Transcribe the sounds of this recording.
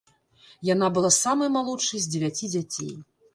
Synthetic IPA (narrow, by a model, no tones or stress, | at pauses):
janabɨlˠasamɐjmalˠut͡ʂːɨjzʲd͡zʲɪvʲat͡sʲid͡zʲat͡sʲḛj